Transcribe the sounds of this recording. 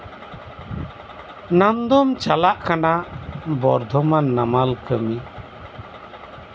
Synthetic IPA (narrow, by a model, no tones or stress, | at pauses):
namd̪ɔmt͡ʃalaʔkanabɔɾd̪ʱɔmanːamalkəmi